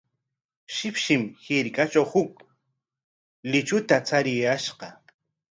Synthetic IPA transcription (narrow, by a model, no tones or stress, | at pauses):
ʃɪpʃɪmhɪɾkat͡ʃawhʊk̚ | lɪt͡ʃʊt̪at͡saɾɪjaʃɢɑ